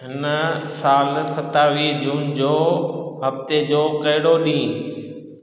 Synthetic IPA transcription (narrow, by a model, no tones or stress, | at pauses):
ɦɪnəsaːlsɐt̪aːʋiːd͡ʑuːnd͡ʑoːɦɐft̪ed͡ʑoːkɐɦɪɽoɗĩː